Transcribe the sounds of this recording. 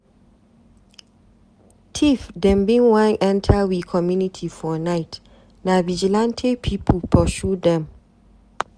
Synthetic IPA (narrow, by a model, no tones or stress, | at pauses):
tʰifdɛ̃nbĩnwãŋʔɛ̃ntʰawikʰɔmjunitʰifɔnaɪt | navid͡ʒilãntʰepʰipʰəlpʰɔʃudɛ̃m